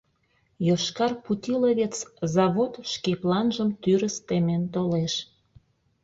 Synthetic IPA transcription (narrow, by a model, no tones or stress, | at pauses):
joʃkɑrput̪ʲiləβet͡szɑβot̪ʃkeplɑnʒəmt̪yɾəst̪ement̪oleʃ